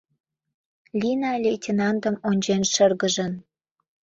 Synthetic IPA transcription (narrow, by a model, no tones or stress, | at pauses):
lʲinɑlʲejtʲinɑnd̪ə̆monʲd͡ʑenʃərɣə̆ʒə̆n